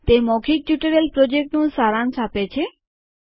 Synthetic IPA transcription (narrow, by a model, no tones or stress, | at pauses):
t̪emɔkʰik̚ʈuʈeɾelpɾod͡ʑek̚ʈnusaɾansʰapet͡ɕʰe